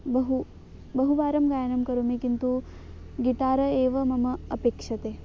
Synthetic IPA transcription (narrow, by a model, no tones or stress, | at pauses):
bɐɦu | bɐɦuʋaːɾɐmɡaːjɐnɐmkɐɾumikint̪u | ɡiʈaːɾɐeːʋɐmɐmɐɐpeːkʂɐt̪eː